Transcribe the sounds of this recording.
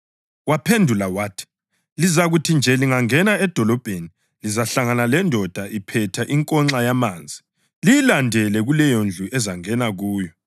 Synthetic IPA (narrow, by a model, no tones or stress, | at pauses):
wapʰendʱulawaːtʰi̥ | lizaɣutʰind͡ʒʱɛliŋaŋɛnaɛd̥ʱɔlɔb̥ʱeni | lizaɬaŋanalɛndʱɔd̥ʱaʔipʰɛtʰaʔiŋkʼɔŋ͡ǁajamaːnd͡zʱi | lijilandʱɛlɛɣulɛjond͡ɮʱuʔɛzaŋɛnaɣuːjɔ